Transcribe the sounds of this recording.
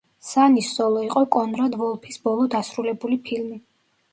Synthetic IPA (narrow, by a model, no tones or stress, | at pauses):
sanisɔlˠɔiqʼɔkʼɔnɾad̪vɔlˠpʰisbɔlˠɔd̪asɾulɛbulipʰilmi